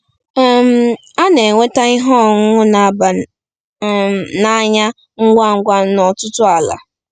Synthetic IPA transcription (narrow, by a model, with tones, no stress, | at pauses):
m̩˦ | a˦ne˨ŋʷe˦ta˦i˦ɦɔ˦˨ŋ̩˦ŋʊ˦na˨ba˨ | na˨˦ɲa˦ | ŋ̩˦ɡʷa˦˨ŋ̩˦ɡʷa˦nɔ˨tʊ˦tʊ˦a˨la̰˨